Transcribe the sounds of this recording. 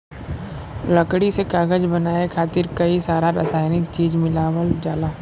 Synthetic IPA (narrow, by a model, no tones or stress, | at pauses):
lɐkɽisekaːɡəd͡ʒbɐnaːekʰaːt̪ɪɾkɐisaːɾaɾasaːjnɪkt͡ʃiːd͡ʒmɪlaːwəld͡ʒaːlaː